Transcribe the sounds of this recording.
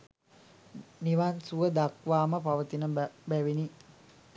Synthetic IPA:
niʋansuʋəd̪akʋaːməpaʋət̪inəbæʋini

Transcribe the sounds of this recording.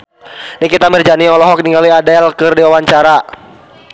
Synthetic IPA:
nikit̪amərd͡ʒaniɔlɔɦɔk̚niŋɡaliadɛlkɨrdiwawaɲt͡ʃaɾa

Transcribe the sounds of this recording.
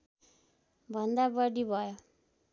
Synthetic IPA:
bʱʌnd̪abʌɽibʱʌjo

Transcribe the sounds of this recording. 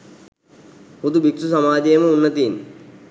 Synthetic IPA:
hud̪ubiksusɐmaːd͡ʒejəməunːɐt̪iːn

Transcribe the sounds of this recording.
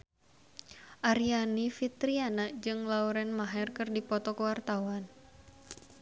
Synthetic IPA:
ʔaɾianifit̪ɾianad͡ʒɨŋlauɾɛnmaɦɛrkɨrdipɔt̪ɔkuwart̪awan

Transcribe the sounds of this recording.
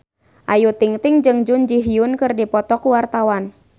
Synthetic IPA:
ʔajut̪iŋt̪ɪŋd͡ʒɨŋd͡ʒʊnd͡ʒiɦiʊnkɨrdipɔt̪ɔkuwart̪awan

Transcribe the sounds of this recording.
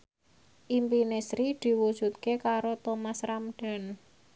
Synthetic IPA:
ʔimpinesɾid̪̥i̤wu̥ʒ̥ṳt̪̚kekaɾot̪omasɾamɖ̥a̤n

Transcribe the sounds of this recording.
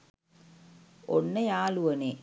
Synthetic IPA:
ʔɔnːɐjaːlɯʋɐneː

